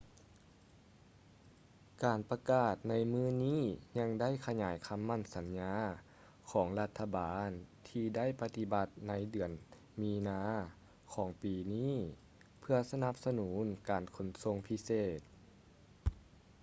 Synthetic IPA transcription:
kaː˨˩npa˧kaː˧˩t̪̚na˧˥jmɯː˧˥niː˥˨ɲa˧ŋda˥˩˨jkʰa˧ɲaː˨˩˦jkʰa˧˥mːa˧˥˩nsa˨˦nɲaː˧˥ | kʰɔː˩˦ŋla˧t̪ʰːa˧baː˨˦nt̪ʰiː˧da˥˩˨jpa˧t̪i˧ba˧t̪̚na˧˥jdɯ˨˩ən | miː˧naː˧˥ | kʰɔː˩˦ŋpiː˨˩niː˥˩˨ | pʰɯ˧ɐsa˧na˧˦p̚sa˧nuː˩˨˦nkaː˨˩nkʰo˨˩nso˧˥ŋpʰi˧˥seː˧˩t̪̚

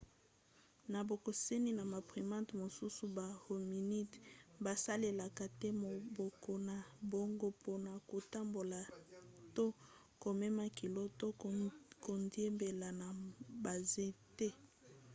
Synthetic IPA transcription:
na˨bo˨ko˨se˦ni˦na˨ma˨pʁi˨mã˦tmo˨su˦su˦ba˨ho˨mi˨ni˦tba˨sa˦le˨la˨ka˨tɛ˦mo˨bɔ˨ko˨na˨bo˨ŋɡo˦po˦na˨ko˨ta˦mbo˨la˨to˦ | ko˨me˦ma˦ki˨lo˦to˦ko˨ndje˦mbe˨la˨na˨ba˨ze˦tɛ˦

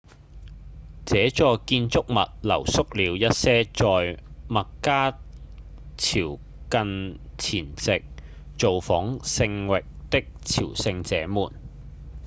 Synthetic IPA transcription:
t͡sɛː˨˧˥t͡sɔː˧kiː˧nt͡sʊ˥k̚mɐ̰˨t̚lɐ̰˨˩wsʊ˥k̚liː˨˧wjɐ˥t̚sɛː˥t͡sɔː˨jmɐ˨kkaː˥ | t͡sʰiː˨˩w | kɐ˧nt͡sʰiː˨˩nt͡sɪ˨k̚ | t͡so˨wfɔː˨˥ŋsɪ˧ŋwɪ˨k̚t̪ɪ˥k̚t͡sʰḭː˨˩wsɪ˧ŋt͡sɛː˨˥muː˨˩n

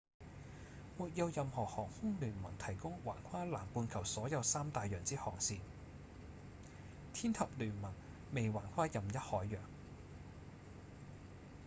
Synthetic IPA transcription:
muː˨t̚jɐ˨˧wjɐ˨mhɔː˨˩hɔː˨˩ŋhʊ˥ŋlyː˨˩nmɐ̰˨˩ŋt̪ʰɐ˨˩jkʊ˥ŋwaː˨˩nkʷʰaː˥laː˨˩mpuː˧nkʰɐ˨˩wsɔː˨˥jɐ˨˧wsaː˥mt̪aː˨jœː˨˩ŋt͡siː˥hɔ̰ː˨˩ŋsiː˧n | t̪ʰiː˥nt̪ʰɐ˨p̚lyː˨˩nmɐ˨˩ŋ | me˨jwaː˨˩nkʷʰaː˥jɐ˨mjɐ˥t̚hɔː˨˥jːœː˨˩ŋ

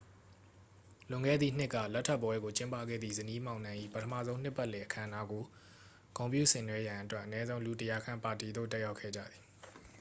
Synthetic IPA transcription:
lʊ̃˨ŋɡɛ̰˦˨d̪ðḭ˦˨n̥ɪ˦ʔkːä̰˦˨lɛ˦ʔtʰːɛ˦˨pːwɛ˦ɡo˨t͡ɕɪ̃˦mpa̰˦˨ɡɛ̰˦˨d̪ðḭ˦˨zəni˦mã˨ʊ̃nã˦ʔḭ˦˨pətʰəma̰˦˨zõ˦ʊ̃n̥ɪ˦ʔpːa˦ʔlɛ˨ʔəkʰã̰˦˨əna˦ɡo˨ | kõ˨mpjṵ˦˨sɪ̃˨nwɛ˦jã˨ʔətwɛ˦ʔənɛ˦zõ˦ʊ̃lu˨tə˨ja˨kʰã˦˨mpa˨ti˨d̪o̰˦˨tɛ˦ja˦ʊkʰːɛ̰˦˨d͡ʑa̰˦˨d̪ði̥˨

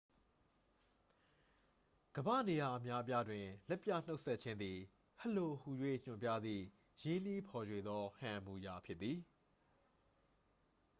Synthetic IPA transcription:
ɡ̥əbä̰˦˨ne˨ja˨ʔə˨mja˦əp̬ja˦dwɪ̃˨lɛ˦pja̰˦˨n̥o˦ʊʔsɛ˦tt͡ɕʰɪ̃˦nd̪i˨ | hə˦˨lo˨hu˨jwḛ˦˨ɲ̥ʊ̃˨mpja̰˦˨d̪ðḭ˦˨ | jɪ̃˦ni˦pʰɔ˨jwe˨d̪ɔ˦hã˨mu˨ja˨pʰjɪ˦t̪̚t̪ːi˨

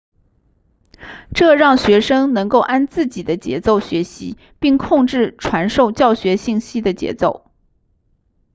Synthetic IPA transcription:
ʈ͡ʂɤ˥˧ɻɑ˥˩ŋɕɥɛ˧˥ʂɤ˥ŋnɤ˧˥ŋko˥˩ʊʔa˥nt͡sɹ̩˥˩t͡ɕi˨˩d̪ə˦t͡ɕjɛ̰˧˥t͡so˥˩ʊɕɥɛ˧˥ɕḭ˧˥ | pi˥˧ŋkʰʊ˥˧ŋʈ͡ʂɻ̩˥˩ʈ͡ʂʰwa˧˥nʂo˥˧ʊt͡ɕjɑ˥˩ʊɕɥɛ˧˥ɕi˥˩ŋɕi˥d̪ə˨t͡ɕjɛ̰˧˥t͡so˥˩ʊ

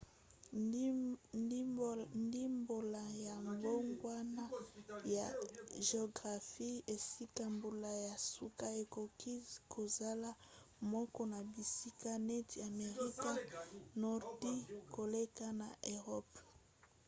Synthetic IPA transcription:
ndi˦mbo˨la˨ja˨mbo˦ŋɡwa˦na˦ja˨ʒe˨o˨ɡʁa˨fi˦e˨si˦ka˦mbo˨la˨ja˨su˦ka˦e˨ko˨ki˦zkʰo˨za˦la˦mɔ˦kɔ˦na˨bi˨si˦ka˦nɛ˦ti˨a˨me˨ʁi˦ka˦nɔ˦ʁdi˦ko˨le˦ka˦na˨ʔe˨ʁɔ˦p

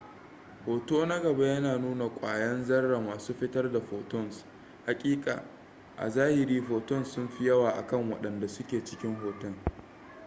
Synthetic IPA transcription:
hoː˨toː˦na˦ɡɐ˨ba˦jɐ˦naː˨nuː˦na˨kʷʼa̰ː˨jɐ˦nzɐ˦rːa˨maː˨suː˦ɸɪ˦tɐ˦rda˨ɸoː˨tɔ˦˨ns | ha˨kʲʼiː˦kʼa̰ː˨ | ʔa̰˨zaː˦hɪ˨ɾiː˦ɸoː˨tɔ˦˨nsʊ˦mɸɪ˦jɐ˦waː˨ʔa̰˨kɐ˦ŋwɐ̰˨ɗɐ˨nda˨sʊ˦kʲeː˨t͡ʃɪ̥˦kʲɪ˦ŋhoː˨tɔ˦˨ŋ

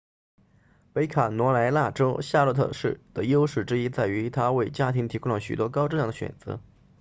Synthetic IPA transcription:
pe˧˥ɪkʰa˨˩nwɔ˧˥la˧˥ɪla˥˩ʈ͡ʂo˥ʊɕja˥˧lə˥˧t̪ʰɤ̰˥˧ʂɻ̩˥˩d̪̥ə˩jo˥ʊʂɻ̩˥˩ʈ͡ʂɻ̩˥i˥t͡sa˥˩ɪy˧˥t̪ʰa˥we˥˩ɪt͡ɕja˥t̪ʰi˧˥ŋt̪ʰi˧˥ku˥ŋlə˨˩ɕy̰˨˩t̪wɔ˥kɑ˥ʊʈ͡ʂɻ̩˥˧jɑ˥˩ŋd̪ə˩ɕɥɛ̰˨˩nt͡sɤ̰˧˥

